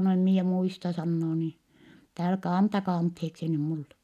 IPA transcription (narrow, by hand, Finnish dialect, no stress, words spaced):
no em mie muistɑ sɑnːoː niː etːɛ ælkæ ɑntɑkɑː ɑntheːksi ny mulːe